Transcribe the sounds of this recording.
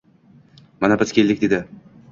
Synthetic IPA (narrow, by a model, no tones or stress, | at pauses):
manabɪz̥kʲe̞lʲd̪ɪk̚ʲd̪e̞d̪ɪ